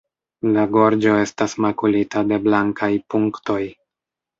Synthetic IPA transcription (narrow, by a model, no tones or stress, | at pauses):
laɡo̞ɾd͡ʒo̞e̞stasmakulitade̞blaŋkʰajpuŋkto̞j